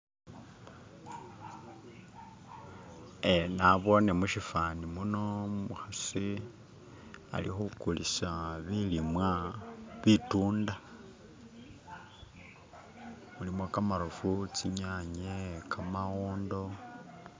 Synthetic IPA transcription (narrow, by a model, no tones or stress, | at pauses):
enaβo̞nemuʃifanimuno̞muxasi | a̰lḭxukulisaβilimwaβituːnda | mulimokamaɾufut͡siɲaɲekʰamaɣoːndo̞